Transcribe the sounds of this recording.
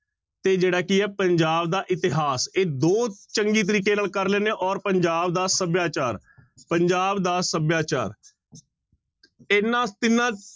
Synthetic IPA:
t̪eːd͡ʒeːɽaːkɪɛːpəɲd͡ʒaːbd̪aːʔɪt̪ɪɦaːseːd̪oːt͡ʃəŋɡiːt̪̬əɾiːkeːnaːlkəɾlɛːnẽːʔɔːɾpəɲd͡ʒaːbd̪aːsəbjaːt͡ʃaːɾ | pəɲd͡ʒaːbd̪aːsəbjaːt͡ʃa̰ːɾ | enãːt̪ɪnãː

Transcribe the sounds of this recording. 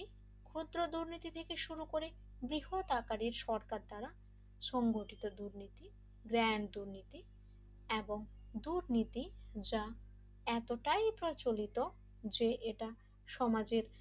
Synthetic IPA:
kʰud̪ɾod̪uɾnit̪it̪ʰekeʃuɾukoɾe | bɾiɦot̪akaɾiɾʃɔɾkaɾd̪aɾa | ʃɔŋɡoʈit̪od̪uɾnit̪i | ɡɾɛnd̪uɾnit̪i | eboŋ | d̪uɾnit̪id͡ʑa | ɛt̪oʈajpɾot͡ɕolit̪o | d͡ʑeʔeʈa | ʃɔmad͡ʑeɾ

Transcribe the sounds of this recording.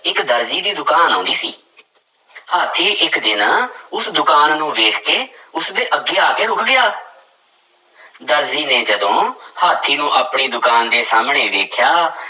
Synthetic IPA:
ɪkd̪əɾziːd̪iːd̪ʊkaːnãːnd̪iːsḭː | haːt̪ʰːiːʔɪkd̪ɪnãːʊsd̪ʊkaːnːũːʋeːkʰkeːʊsd̪eːʔəɡːeːaːkeːɾʊkʰɡɪjaː | d̪əɾziːneːd͡ʒəd̪õːhaːt̪ʰːiːnũːʔaːpɳiːd̪ʊkaːnd̪eːsaːmɳeːʋeːkʰjaː

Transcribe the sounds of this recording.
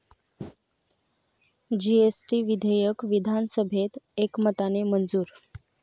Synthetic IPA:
d͡ʑiesʈiʋid̪ʱəjəkʋid̪ʱansəbʱet̪ekmət̪anemənd͡zuːɾ

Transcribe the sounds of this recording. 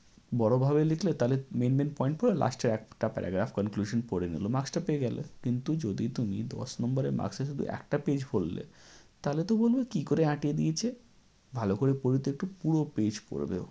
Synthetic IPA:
bɔɽobʱaβelekʰlet̪alemenmenpɔjiɳʈ̚poɾela̰sʈaɾɛk̚ʈapɛ̰ɾa̰ɡɾafkənkluʃonpoɽenḭlomaksʈapeeɡɛlḛkint̪ud͡ʑod̪it̪umid̪ɔ̰ʃnɔmbaɾeɾma̰ɡseʃud̪ʱṵʔɛ̰k̚ʈaped͡ʑbolːḛt̪alet̪obolbekikoɾeãʈied̪iet͡ɕʰe | bʱalokoɾepoɾit̪ːek̚ʈupuɽoped͡ʑpo̰ɾbḛo

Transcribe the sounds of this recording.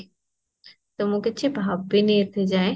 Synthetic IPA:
t̪ɐmũːket͡ɕʰebʱaːbbineːt̪ʰid͡ʑaːẽ

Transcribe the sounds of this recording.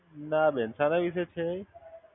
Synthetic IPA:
nabensanaʋis̬et͡ʃʰe

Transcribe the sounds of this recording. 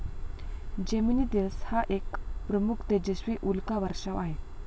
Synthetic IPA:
d͡ʑeminid̪eʋshaʔekpɾəmukʰt̪ed͡ʑeɕʋiːʔulkaʋəɾʂəʋaɦe

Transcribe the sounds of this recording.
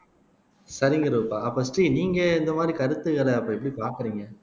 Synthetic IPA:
sɐɾɪŋɡɐɾuːpːaːɐpːɐsʈɾiːniːŋɡɐɛnd̪ɐmaːd̪ɾikɐɾɯt̪ːɯɣɐɭɐɐpːoːɛpːɐɽipaːɾkɐɾiːŋɡɐ

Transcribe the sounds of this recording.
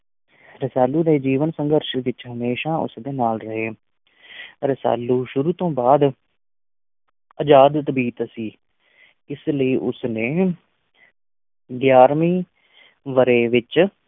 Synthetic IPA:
ɾɪsaːlːuːd̪eːd͡ʒiːʋənsə̃ŋɡəɾʃʋɪt͡ʃɦəmeːʃaːʊ̰sd̪eːnaːlɾəɦeː | ɾəsa̰ːluːʃʊɾuːt̪õːbaːd̪ | əd͡ʒaːd̪t̪biːt̪siː | ɪsləiːʔʊsneː | ɡjaːɾmĩː | ʋəɾeːʋɪt͡ʃ

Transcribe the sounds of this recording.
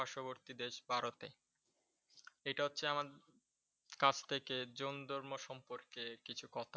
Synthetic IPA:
aʃoboɾt̪id̪eʃbʱaɾot̪e | eʈaɦotːɕʰeama | kat͡ɕt̪ʰeked͡ʑond̪ʱoɾmoʃɔmpoɾkekit͡ɕʰukɔt̪ʰa

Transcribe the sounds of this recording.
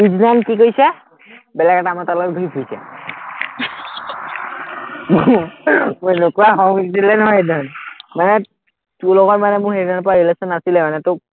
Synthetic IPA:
id͡ʒnankikojsɛ | bɛlakaʈamatalɔtɡʱoipʰujsɛ̰ | mu | mojnokuaɦɔŋitilɛnɦɔjednanmanɛ | tulɔɡɔɹmanɛmʊ̃ɦeɹinanp̬ɔɹaɹilesɔnasilɛmanɛt̪ʊ

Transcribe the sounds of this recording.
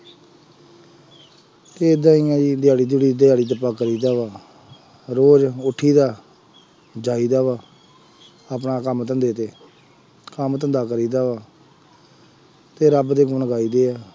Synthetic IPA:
t̪eːɪd̪ãːiːãːiːd̪ɪjaːɽiːd̪iɽiːd̪ɪaːɽiːt̪̬əpːaːkəɾiːd̪aːʋaː | ɾoːd͡ʒʊʈʰːiːd̪aː | d͡ʒaːiːd̪aːʋaː | apɳaːkəmət̪ənd̪eːt̪eː | kəmət̪ənd̪aːkəɾiːd̪aːʋaː | t̪eːɾəbd̪eːɡʊɳɡaːiːd̪eːaː

